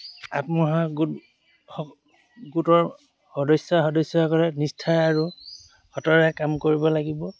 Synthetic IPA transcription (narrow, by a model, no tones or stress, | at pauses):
apmɔɦaɡut | hɔ | ɡutɔɹ | hɔdɔjsɔxɔdɔjsɔɔkɔlɛnistʰajaɹu | hɔtɔɹɛkamkoɹibɔlaɡibɔ